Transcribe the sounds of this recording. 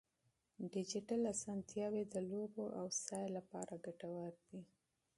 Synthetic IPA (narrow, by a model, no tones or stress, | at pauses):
ɖɪd͡ʒɪʈalasɑnt̪jɑwed̪əloboʔawsɑjlapɑɾʔaɡaʈawəɾd̪i